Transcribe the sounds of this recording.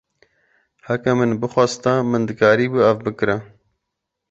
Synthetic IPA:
hakamɨnbɨxwɑːst̪amɨnd̪ɨkɑːɾiːbɨɐvbɨkɨɾa

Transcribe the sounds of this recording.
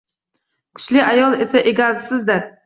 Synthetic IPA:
kʰʊ̥t͡ʃlɪʔajɒlˠesaʔeɡʲazsɪzd̪ɪɾ

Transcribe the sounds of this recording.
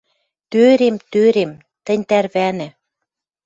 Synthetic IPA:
t̪øɾemt̪øɾem | t̪ɘ̆nʲt̪ærβænɘ̆

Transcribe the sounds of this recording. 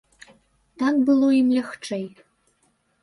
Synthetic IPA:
t̪ak̚bɨlˠoimlʲɛxʈ͡ʂej

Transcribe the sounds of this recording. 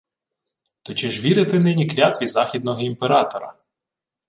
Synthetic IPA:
t̪ɔt͡ʃɪʒʋʲiɾɪt̪ɪnɪnʲiklʲat̪ʋʲizɑxʲid̪̚nɔɦɔimpeɾɑt̪ɔɾɐ̰

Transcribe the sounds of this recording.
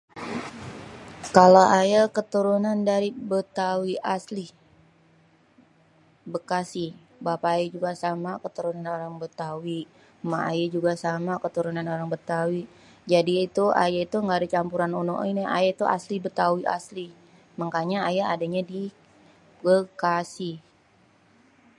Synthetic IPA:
kalaʔajakət̪uɾunandaɾibət̪awiʔasli | bəkasih | bapaːjad͡ʒuɡasamakət̪uɾunanoɾaŋbət̪awi | maa̰jad͡ʒuɡasamakət̪uɾunanoɾaŋbət̪awi | d͡ʒadiːt̪ua̰jait̪uŋɡadat͡ʃampuɾanuno̰ʔinea̰jat̪uʔa̰slibət̪awiʔa̰sli | məŋkaɲaːjaadaɲadi | bəkasi

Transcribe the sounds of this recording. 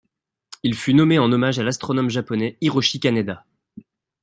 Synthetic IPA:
ilfynɔmeɑ̃nɔmaʒalast̪χɔnɔmʒapɔnɛiʁoʃikʲanad̪a

